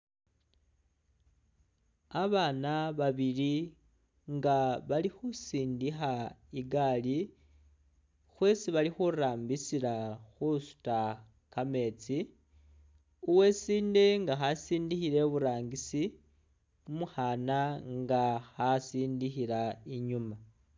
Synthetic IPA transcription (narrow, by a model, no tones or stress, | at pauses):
aβanaβaβili | ŋɡaβalixusiːndixaiɡali | xwe̞siβalixuɾaːmbisilaxusu̥ta | kame̞ːt͡si | uwe̞siːnde̞ŋɡaxasiːndixiɾe̞βuɾaːŋɡisi | umuxanaŋɡaxasiːndixiɾaiɲuma